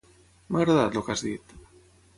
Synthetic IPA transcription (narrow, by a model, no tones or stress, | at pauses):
maɣɾaðat̪lokazðit̪